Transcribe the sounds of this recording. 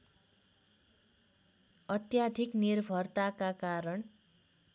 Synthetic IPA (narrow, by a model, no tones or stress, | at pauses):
ʌt̪jad̪ʱiknirbʱʌrt̪akakaɾʌɳ